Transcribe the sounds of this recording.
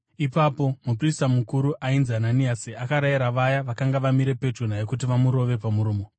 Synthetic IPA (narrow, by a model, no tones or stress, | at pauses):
ipapo̞mupristamukuɾuʔainzananiasiakaɾaiɾaʋajaʋakaŋɡaʋamiɾe̞pe̞d͡ʒun̤ajekut̬iʋamuɾo̞ʋe̞pamuɾuːmo